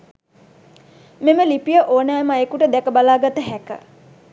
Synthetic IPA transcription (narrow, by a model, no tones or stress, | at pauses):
meməlipijəʔoːnæːmaekuʈəd̪ɛkəbalaːɡat̪əɦækə̰